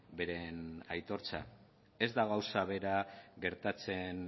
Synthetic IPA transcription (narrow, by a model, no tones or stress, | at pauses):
be̞ɾe̞najt̪o̞ɾt͡sa̰ | e̞zd̪aɣawsaβe̞ɾaɣe̞ɾt̪at͡se̞n